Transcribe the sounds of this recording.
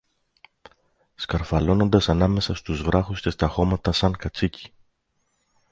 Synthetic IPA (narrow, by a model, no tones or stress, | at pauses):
skɐɾfɐlo̞no̞nd̪ɐsɐnɐme̞sɐst̪uzvɾɐxusce̞st̪ɐxo̞mɐt̪ɐsɐŋkɐt͡sici̥